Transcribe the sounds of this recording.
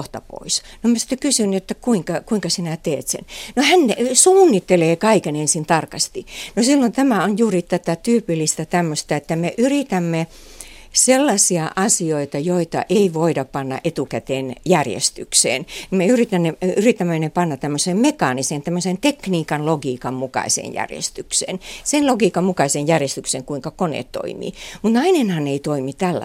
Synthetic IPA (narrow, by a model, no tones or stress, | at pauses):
ht̪ɑ̰po̰isnomæsi̥t̪ːekysynːiet̪ːækuiŋkɑkuiŋkɑsinæt̪eːt̪sḛnnohænːesuːnːit̪ːeleːkɑikenensint̪ɑrkɑst̪inosilːont̪æmæonjuːrit̪æt̪æt̪yːpilːist̪æt̪æmːøst̪ɑet̪ːæmeʔyrit̪æmːe | selːɑsiɑʔɑsioit̪ɑjoit̪ɑ̰ʔeiʋoidɑppɑnːɑ̰ʔet̪ukæt̪eːnjærjḛst̪yksḛːnimeyrit̪ænːeyrit̪æmːenepɑnːɑtt̪æmːøsemmekɑnisent̪æmːøsent̪ekniːkɑnloɡiːkɑmmukɑ̰isḛːnjæ̰rjḛst̪yksḛːnsenloɡiːkɑmmukɑisenjærjest̪ykseŋkuiŋkɑkonḛt̪to̰imḭːmut̪nɑinenhɑnːeit̪oimit̪ælːæ̰